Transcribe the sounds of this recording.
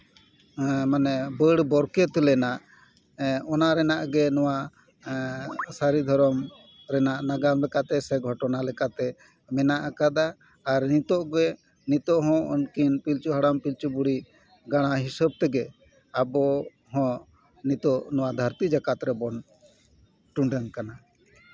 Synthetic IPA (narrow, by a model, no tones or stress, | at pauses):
manɛbəɽbɔɾkɛt̪lɛnaʔ | ɔnaɾɛnaʔɡɛnɔwa | saɾid̪ʱɔɾɔm | ɾɛnaʔnaɡamlɛkat̪ɛsɛɡʱɔʈɔnalɛkat̪ɛ | mɛnaʔakad̪aː | ɾnit̪ɔʔɡɛ | nit̪ɔʔɦɔ̃ɔ̰nkinpilt͡ʃuɦaɽampilt͡ʃubuɽi | ɡaɽ̃aɦisəb̚t̪ɛɡɛ | abɔ | ɦɔ̃ | nit̪ɔʔnɔwad̪ʱəɾt̪id͡ʒakat̪ɾɛbɔn | ʈuɳɖəŋkana